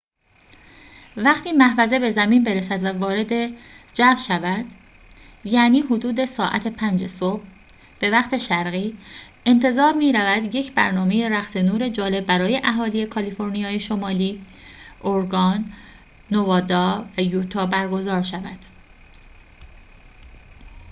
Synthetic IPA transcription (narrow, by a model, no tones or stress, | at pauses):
væχt̪ʰiːmæhvæze̞be̞zæmiːnbe̞ɾesæd̪vævɒːɾe̞d̪e̞ | d͡ʒævʃævæd̪̥ | jæːniːɦod̪uːd̪e̞sɒːʔæ̰t̪ʰepʰænd͡ʒesob̥ | b̥e̞væχt̪ʰe̞ʃæɾɣiː | e̞nt̪ʰe̞zɒːɾmiːɾævæd̪je̞cʰbæ̰ɾnɒːme̞je̞ɾæxsenuːɾe̞d͡ʒɒːle̞bːæɾɒːje̞ʔæɦɒːlije̞kʰɒlifo̞ɾnijɒːjeʃomɒːliːʔoɾɡɒːnː | ovɒːd̪ɒːvæjuːt̪ʰɒːbæɾɡo̞zɒːɾʃævæd̪̥